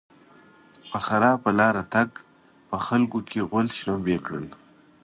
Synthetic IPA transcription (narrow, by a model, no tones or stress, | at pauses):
pəxaɾɑːpəlɑːɾat̪aɡ | pəxalkokʰeɣʊlʃnambekɽə̰n